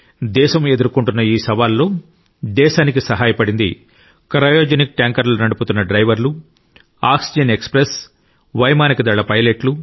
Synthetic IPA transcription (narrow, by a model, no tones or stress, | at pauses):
d̪ɛːʃɐme̞d̪uɾukuɳʈunːɐiːsɐʋaːlːo̞ː | d̪ɛːʃaːnikisɐɦaːjɐpɐɽind̪ḭ | kɐɾɐjoːd͡ʒenik̚ʈaːŋkɐɾlunɐɽuput̪unːɐɖɾɐjʋɐɾlu | aːksid͡ʒɐne̞kspɾes | ʋɐjmaːnikɐd̪ɐɭɐpɐjleʈlu